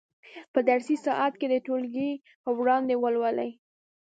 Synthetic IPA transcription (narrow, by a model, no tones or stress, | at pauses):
pəd̪aɾsisɑʔat̪ked̪əʈolɡi | pəwɽɑnd̪ewəlwəlaj